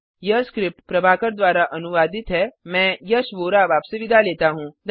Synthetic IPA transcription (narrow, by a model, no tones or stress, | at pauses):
jɐskɾɪp̚ʈpɾɐbʱaːkəɾd̪ʋaːɾaʔɐnuʋaːd̪ɪt̪ɦɛmɛ̃ːjəsʋoːɾaːʋaːpseʋɪd̪ʱaleːt̪aɦũːd̪